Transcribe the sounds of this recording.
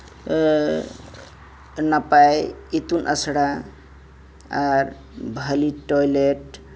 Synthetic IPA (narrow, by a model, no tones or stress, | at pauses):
nʌpajit̪unʔə̰sɽa | aɾ | bʱəliʈojleʈ